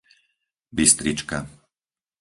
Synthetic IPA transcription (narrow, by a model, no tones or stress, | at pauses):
bist̪ɾit͡ʃka